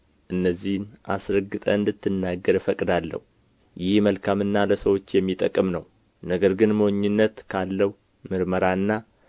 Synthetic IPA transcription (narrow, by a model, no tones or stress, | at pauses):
ʔɨnːəzːihnʔa̰sɾəɡːɨt̪ʼəɨnd̪ɨt̪ːɨnːaɡːəɾfəkʼd̪alːə̰hu | jɪhməlkʰamɨnːaləsəwo̞t͡ʃːjɛmːit̪ʼəkʼːmnəw | nəɡəɾɡɨnməwoɲːɨnːət̪kʰalːəh | mɨɾməɾaɨnːa